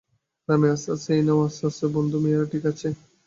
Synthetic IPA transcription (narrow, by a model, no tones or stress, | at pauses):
ɾamiasaseinamasasebond̪ʱumiɾaʈikat͡ɕʰe